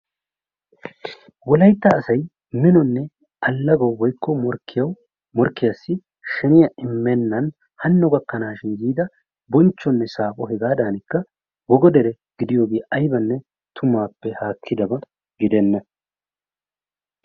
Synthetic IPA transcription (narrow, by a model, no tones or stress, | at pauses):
wɔlɐjt̪ːɐːsɐj | mɪnɔnːɛ | ɐlːɐɡɐwwɔjkːɔmɔɾkːɪjɐw | mɔɾkːɪjɐsːɪ | ʃɛnɪjɐʔɪmːɛnːɐn | hɐnːɔɡɐkːɐnaːʃɪnɡiːd̪ɐ | bɔnt͡ʃːɔnːɛsaːpɔɦɛɡaːd̪aːnɪkːɐ | wɔɡɔd̪ɛɾɛ | ɡ̥ɪd̪ɪjo̞ːɡeːʔɐjbɐnːɛ | t̪ʰʊmaːpːɛhaːkʰːɪd̪ɐbɐ | ɡɪd̪ɛnːɐ